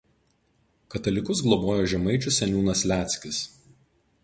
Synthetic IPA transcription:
kɐt̪ɐlʲɪkʊs̬ɡlˠɔboːjoːʒʲɛmɐɪt͡ʃʲʊsʲɛnʲuːnɐslʲæːt̪sʲkʲɪs

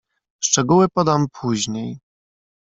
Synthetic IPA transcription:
ʂt͡ʂɛɡuwɘpɔd̪ampʰuʑɲej

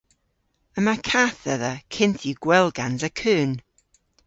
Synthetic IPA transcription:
əmakʰaːθəðəkʰɪntʰiɡwɛlˠɡansəkʰɨːn

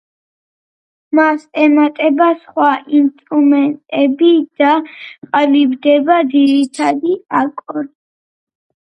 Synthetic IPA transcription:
masɛmat̪ʼɛbasχwaʔinst̪ʼɾumɛnt̪ʼɛbid̪̥aqʼalibd̪ɛbad̪ziɾit̪ʰad̪iakʼɔɾi

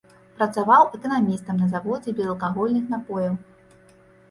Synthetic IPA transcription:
pɾɐt̪savawʔɛkɐnamʲist̪ɐmnɐzavɔd͡zʲɛbʲɛzɛlˠkaɣɔlʲnɨxn̪apɔjɐw

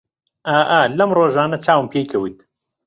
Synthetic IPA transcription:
ʔaːʔɐlɐmroːʒaːnɐt͡ʃʰaːwɨmpʰeːjkʰɐwit̪

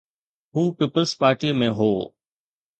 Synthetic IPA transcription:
ɦũːpiːpəlzpaːɾʈiəmẽɦoː

